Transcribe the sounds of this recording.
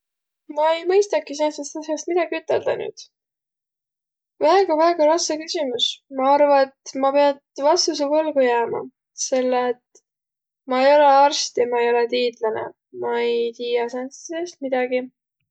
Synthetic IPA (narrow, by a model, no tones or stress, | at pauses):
mɑejmɤjst̪ɑkis̬esest̪ɑsjɑst̪mid̪̥ɑɡ̥iyt̪ːˑe̞ld̪̥ɑ̰ny̰ːd̪̥ | væeɡ̥ɑvæeɡ̥ɑɾɑsɑkysʲimusmɑɑrvɑet̪mɑpe̞ɑd̪vɑst̪us̬epolɡ̥ujæːmɑ̰ | se̞lːet̪ | mɑe̞jo̞le̞ɑrst̪jɑmɑejo̞let̪iːd̪lɑnḛ | mɑejt̪iːjɑsenssest̪̚mid̪̥ɑɡi